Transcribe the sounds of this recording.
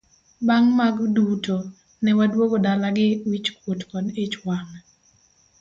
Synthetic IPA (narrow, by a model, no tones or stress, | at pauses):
baŋmaɡduto | nɛwadwoɡodalaɡɪwit͡ʃkwotkɔdɪt͡ʃwamɛ